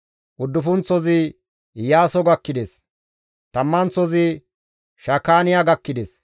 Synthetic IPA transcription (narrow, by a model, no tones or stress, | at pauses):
ʔʊd̪ːʊfʊnt͡sːɔzɪ | jaːsɔɡɐkːɪd̪es | t̪ɐmːɐnt͡sːɔzɪ | ʃɐkːaːnɪjaɡɐkːɪd̪es